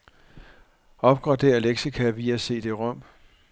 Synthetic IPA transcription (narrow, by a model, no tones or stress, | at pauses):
ɒ̽b̥ɡ̥ʁɑ̈d̥e̝̰ɐleɡ̥sikʰæʋiææse̝̰ːd̥e̝ʁɔ̽m̰